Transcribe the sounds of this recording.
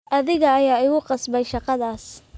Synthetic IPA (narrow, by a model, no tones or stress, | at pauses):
ʔɐðɪɣɐːjaːɪɣʊqɑsbɛjʃɑqɑðaːs